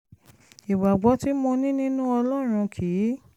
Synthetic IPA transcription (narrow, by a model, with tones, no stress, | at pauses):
i˨ɡ͡ba˨ɡ͡bɔ˨˦ti˦mõ˧nĩ˦nĩ˦nũ˦ɔ˧lɔ˦˨ɾ̃ũ˧kʰi˨˦